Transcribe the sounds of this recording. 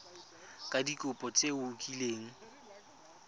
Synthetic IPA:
kʼadikʼʊpʼɔt͡sʼeʊkʼileːŋ̩

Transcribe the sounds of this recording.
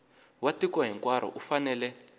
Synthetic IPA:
watikwaɦiŋkwaɾɔ̰ʔufanɛːlɛ

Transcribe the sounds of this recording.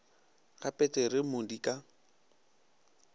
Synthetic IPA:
ɣapʼɛtʼeɾɪmʊdikʼa

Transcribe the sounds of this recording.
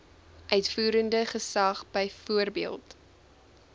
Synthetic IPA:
ʔœɥtfuːɾəndəχəsɐχbəjfuərbiəlˠt

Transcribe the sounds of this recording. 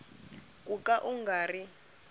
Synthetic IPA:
kʼukʼaʔuŋɡaːri

